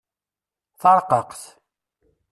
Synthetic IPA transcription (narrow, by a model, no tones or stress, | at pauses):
θɑɾˤqəqθ